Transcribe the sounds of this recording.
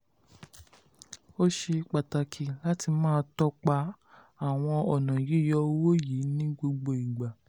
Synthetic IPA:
o˦ʃe˧k͡pa˨ta˨kʰi˨la˦ti˧mãː˦˧tɔ˦k͡pa˧˦ | a˨w̃ɔ̃˧ɔ˨nã˨ji˨˦˨jɔ˧o˧˦wo˦ji˨˦nĩ˦ɡ͡bo˧ɡ͡bo˧i˨ɡ͡ba˨

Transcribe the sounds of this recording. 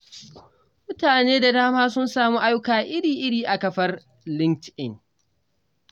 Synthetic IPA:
mʊ˦taː˨neː˦da˨daː˦maː˦sʊ˦nsaː˨muː˦ʔa˦jʊ˦kaː˨ʔɪ˦ɽiː˨ʔɪ˦ɽiː˨ʔa˨kɐ˨ɸɐ˦r | lɪ˦ŋtʔɪ˦˨ŋ

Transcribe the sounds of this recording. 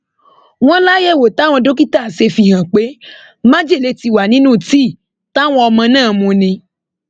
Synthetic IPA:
w̃ɔ̃˦la˦je˦˨wo˨ta˨˦w̃ɔ̃˧do˦ki˦ta˦˨se˧fi˧˨ɦã˨k͡pe˨˦ | mã˦d͡ʒe˦˨le˧˨ti˧wa˨nĩ˨˦nũ˦˨ti˦˨ | ta˦w̃ɔ̃˧ɔ˧mã˧nãː˦˨mũ˨˧nĩ˧

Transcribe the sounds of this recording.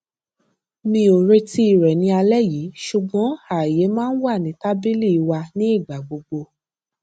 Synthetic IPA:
mĩ˧o˨ɾe˧ti˦i˨ɾɛ˨nĩ˧a˧lɛ˦jiː˨˦ʃu˨ɡ͡bɔ̃˨˦a˨je˨˦mãː˦n̩˦wa˦˨nĩ˨˦ta˦bi˦li˦i˧wa˧nĩ˨˦i˦˨ɡ͡ba˨ɡ͡bo˧ɡ͡bo˧

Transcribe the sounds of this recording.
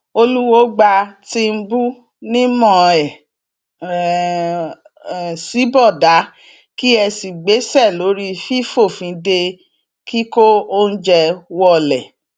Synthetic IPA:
o˧lu˦wo˦ɡ͡ba˧ti˧m̩˦bu˦ | nĩ˦mɔ̃˦˨ɛ˨ | si˨˦bɔ˦˨da˨˦ | ki˦ɛ˧si˨ɡ͡be˨˦sɛ˦˨lo˨˦ɾi˦fi˦fo˦˨fĩ˨˦de˧ | ki˦ko˦o˦n̩˦d͡ʒɛ˧wɔ˦˨lɛ˨

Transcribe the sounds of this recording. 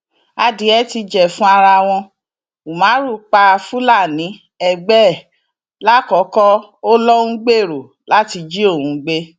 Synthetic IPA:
a˧di˨˦ɛ˧˦ti˧d͡ʒɛ˨fũ˦a˧ɾa˧w̃ɔ̃˧ | u˨mã˨˦ɾu˦˨k͡pa˧fu˦la˦˨nĩ˨˦ | ɛ˦˨ɡ͡bɛ˦˨ | la˦kɔ˨˦kɔ˦o˦lɔ˦ũ˦ɡ͡be˦˨ɾo˨ | la˦ti˧d͡ʒi˦o˦˨wũ˧˦ɡ͡be˦

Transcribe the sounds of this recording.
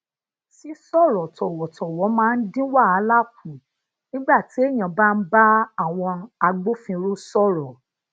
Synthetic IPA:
si˦sɔ˦˨ɾɔ˨tɔ˨wɔ˨˦tʰɔ˨wɔ˨˦mãː˨˦˧n̩˦dĩ˦wa˦˨a˨˦la˦˨ku˨ | nĩ˦ɡ͡ba˦˨ti˨˦e˦˨j̃ã˨ba˦˧n̩˦ba˦a˦˨w̃ɔ̃˧a˧ɡ͡bo˦fĩ˧ɾo˦sɔ˦˨ɾɔ˨

